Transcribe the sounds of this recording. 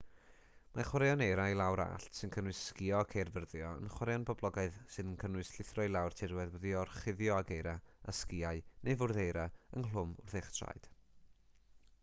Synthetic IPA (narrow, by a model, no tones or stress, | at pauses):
maχwaɾejɔnejɾajlˠawɾa̰ɬtʰsɨnkʰənwɨskɪɔkʰejrvərðjɔə̰nχwaɾjɔnbɔblˠɔɡaɨðsɨnənkʰənwʊɨsɬɪθrɔɨlˠawrtʰɪrwɛðwəðiɔrχɪðjɔaɡejɾaaskɪaɨnʔevʊrðejɾaənɦlʊmʊrθeχtʰra̰jd̥